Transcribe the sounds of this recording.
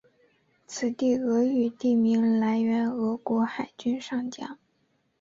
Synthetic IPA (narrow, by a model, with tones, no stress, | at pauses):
t͡sʰɹ̩˨˩t̪i˥˩ɤ˧˥y˨˩t̪i˥˩mi˧˥ŋla˧˥ɪɥɛ˧˥nɤ˧˥kwɔ˧˥xa˨˩ɪt͡ɕy˥nʂɑ˥˩ŋt͡ɕjɑ̰˥ŋ